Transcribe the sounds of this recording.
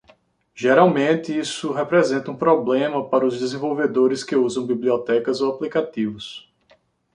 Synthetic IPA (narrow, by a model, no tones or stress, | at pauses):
ʒeɾawmẽt̪ɪisʊɦepɾɛzẽt̪ɐũpɾɔblẽmɐpaɾɐʊzd̪ezẽvowved̪oɾɪskɪuzɐ̃w̃bibliɔt̪ɛkɐzoaplikat̪ivʊs